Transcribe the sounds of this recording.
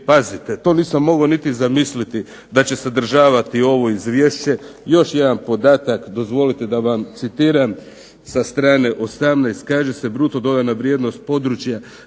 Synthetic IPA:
pazit̪et̪o̞niːsamːo̞ɡaonit̪izamislit̪i | d̪at͡ɕe̞sed̪r̩ʒaːʋat̪io̞ʋo̞izʋje̞ːʃt͡ɕe̞jo̞ʃje̞d̪anpo̞d̪aːt̪akd̪o̞zʋo̞lit̪e̞d̪aʋamt̪sit̪iːɾam | sast̪ɾaːne̞ʔost̪amnajst̪kaːʒese̞bɾut̪o̞d̪o̞d̪anaʋɾjeːd̪no̞st̪̚po̞d̪ɾut͡ʃja

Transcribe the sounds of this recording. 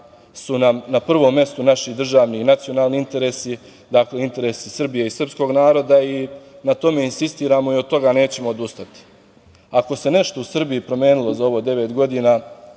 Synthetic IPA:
sunamnapr̩ʋo̞mːje̞st̪unaʃid̪r̩ʒaːʋninat̪sijo̞naːlniint̪e̞ɾe̞si | d̪akleint̪e̞ɾe̞sisr̩bije̞isr̩psko̞ːɡnaːɾo̞d̪ainat̪o̞me̞insist̪iːɾaːmo̞iot̪o̞ɡane̞ːt͡ɕe̞mo̞ːd̪ust̪at̪i̥ | ako̞se̞ne̞ʃt̪o̞usr̩bijipɾo̞me̞ːnilˠo̞zao̞ʋo̞ːd̪e̞ʋe̞t̪ɡo̞d̪iːnaː

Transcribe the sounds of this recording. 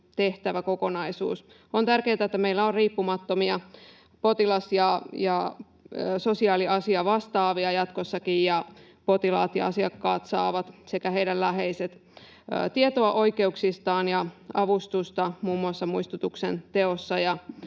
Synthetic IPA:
t̪e̞ht̪æʋæko̞ko̞nɑisṵːs | ont̪ærkeːt̪æet̪ːæmeilːæorriːpːumɑt̪ːo̞miɑ | po̞t̪ilɑsjɑjɑ | so̞siɑːliɑsiɑʋɑst̪ɑːʋiɑjɑt̪kosːɑkijjɑ | po̞t̪ilɑ̰ːt̪jɑ̰ɑ̰siɑkːɑːt̪sɑ̰ːʋɑt̪sekæɦeiɾællæɦeiset̪ː | t̪iet̪oɑʔo̞ike̞uksist̪ɑːnjɑɑʋust̪ust̪ɑmuːmːuɑsːɑmuist̪ut̪uksḛnt̪e̞osːɑjɑ

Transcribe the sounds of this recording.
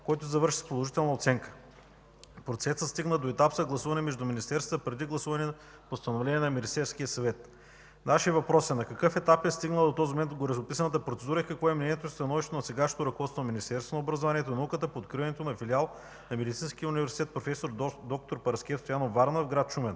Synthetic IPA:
kɔjt̪ʊzɐvɤɾʃi̥spolˠoʒit̪ɛlˠnɐot̪sɛŋkə̥ | pɾot̪sɛsət̪st̪iɡnəd̪oɛt̪apzɐɡlˠɐsuvɐnɛmɛʒd̪uminist̪ɛɾsət̪əpɾɛd̪iɡlˠɐsuvɐnɛ | post̪ɐnovlɛnʲiɛnɐmɛnist̪ɛɾsk̟ijəsɐvɛt̪ | naʃiəvɐpɾɔsɛnɐkɐkɤfɛt̪apɛst̪iɡnəlˠd̪ot̪ɔzimomɛnt̪ɡoɾɛzʊpisɐnət̪əpɾot̪sɛd̪uɾəikɐkvɔɛmnɛnʲiɛt̪oist̪ɐnɔviʃt̪t̪onɐsɛɡaʃo̥t̪oɾɐkovɔt̪st̪vonɐminist̪ɛɾst̪vonəobɾɐzovaniɛt̪onɐukət̪əpoːt̪̚kɾivɐnɛt̪onɐfilialˠ | nɐmɛd̪it̪sinskijəʊunivɛɾsit̪ɛt̪̚pɾofɛsoɾd̪ɔk̚t̪oɾpɐɾɐskʲɛt̪st̪ojanovaɾnofɡɾat̪t͡ʃumɛn

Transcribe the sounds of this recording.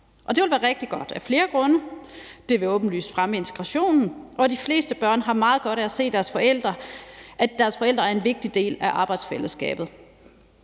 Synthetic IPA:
ʔɒ̽d̥e̝ʋe̝lʋæːɐʁeɡ̥̚d̥iɡ̥ɒ̽d̥æfle̝ːɐɡ̥ʁɔ̽nəd̥e̝ʋe̝ɔ̽ːb̥n̩ly̰ːsfʁaməe̝nt͡sʰe̥ɡ̥ʁɑ̈ɕo̝̰ːnn̩ʔɒ̽d̥ifle̝̰ːsd̥əb̥ɶɐ̰nɦɑ̈mɑ̈ːð̩ˠɡ̥ɒ̽ɾ̥æse̝̰ːd̥æɐsfɒ̽el̰d̥ʁɐʔæd̥æɐsfɒ̽el̰d̥ʁɐæɐenʋe̝ɡ̥̚d̥id̥e̝̰ːlæʔɑ̈ːb̥ɑ̈ɪd̥sfeləsɡ̥ɛ̰ːb̥ð̞̩ˠ

